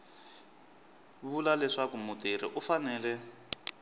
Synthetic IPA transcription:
βulalɛʂakumuteɾḭʔufanɛːlɛ

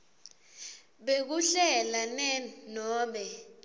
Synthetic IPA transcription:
ɓek̬uɬɛlanɛnɔːmbɛ

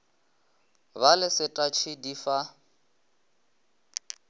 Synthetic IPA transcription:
balɪsɪtʼat͡ʃʰɪdifa

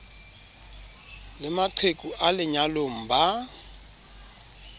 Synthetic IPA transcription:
lɪmaǃʰekʼuʔalɪɲalom̩ba

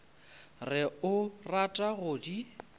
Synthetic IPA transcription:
rɪʊratʼaɣʊːdi

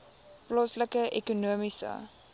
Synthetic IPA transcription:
plɑːsləkəʔɛkunuəmisə̰

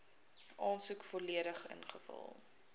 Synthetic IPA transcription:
ʔɑːnsukfɔliəɾəχə̰nχəfə̰lˠ

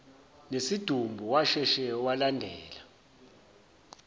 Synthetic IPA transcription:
nesid̥ʱumbʱuwaʃɛʃɛwalandʱɛːla

